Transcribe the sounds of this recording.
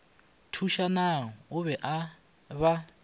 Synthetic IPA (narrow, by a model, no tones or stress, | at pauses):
tʰuʃanaɔʊβɛʔa | βa